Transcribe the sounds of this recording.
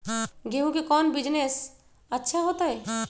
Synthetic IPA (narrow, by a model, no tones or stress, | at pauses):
ɡeɦũkekɔːnbɪd͡ʒnes | ətːʃʰaɦoːt̪aɦɛ